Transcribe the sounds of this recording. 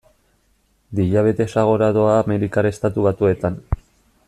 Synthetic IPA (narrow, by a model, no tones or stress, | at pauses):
d̪iʎaβ̞e̞t̪e̞saɣ̞o̞ɾaðo̞aːme̞ɾikaɾest̪at̪uβat̪ue̞t̪an